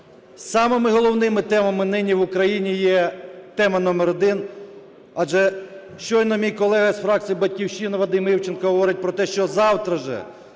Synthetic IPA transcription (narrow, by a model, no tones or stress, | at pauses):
sɑmɪmɪɦɔlˠɔwnɪmɪt̪ɛmɐmɪnɪnʲiʋʊkɾɐjinʲijɛt̪ɛmɐnɔmɛɾɔd̪ɪn | ɑʒɛ | ʃt͡ʃɔjnɔmʲijkɔlˠɛɦɐsfɾɑk̚t͡s̪ʲijibɐtʲkʲiwʃinɪʋɐd̪ɪmiwt͡ʃenkɐɦɔʋɔɾɪt̚ʲpɾɔt̪ɛʃt͡ʃɔzɑwt̪ɾɐʒɛ̰